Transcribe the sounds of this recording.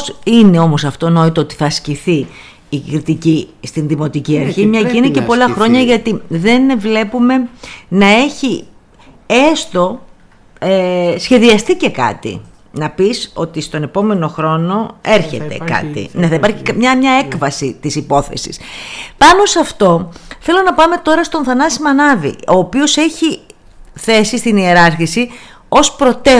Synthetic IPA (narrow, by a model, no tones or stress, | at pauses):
sine̞o̞mo̞sɐft̪o̞no̞it̪oot̪i̥θɐsciθiː | kɾit̪icist̪inðimo̞t̪iciɐɾçimɲɐciinece̞po̞lɐxɾo̞ɲɐʝɐt̪iðe̞nvle̞pume̞nɐe̞çi | est̪o̞ | esçe̞ðiɐst̪ice̞kɐ̰t̪ḭ | nɐpiso̞t̪ist̪o̞ne̞po̞me̞no̞xɾo̞no̞e̞ɾçe̞̰t̪e̞̰kɐ̰t̪ḭneθɐipɐɾçi̥kɐmɲɐmɲɐe̞kvɐsit̪isipo̞θe̞̰sḭspɐno̞sɐft̪o̞θe̞lo̞nɐpɐme̞t̪o̞ɾɐst̪o̞nθɐnɐsimɐnɐvḭo̞ːpio̞se̞çi | θe̞sist̪inie̞ɾɐɾçisi | o̞spɾo̞t̪e